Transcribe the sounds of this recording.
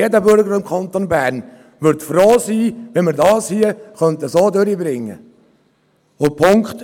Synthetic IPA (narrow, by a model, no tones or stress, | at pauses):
edəbøɾɡəɾɪmkʰɑnt̪onbæːɾn | ʋʏɾtfɾoːsiːʋɛnmɪɾdɑːshiəχœnt̪əsoːd̪øɾibɾɪŋːə̰ | opʰʊŋkt̪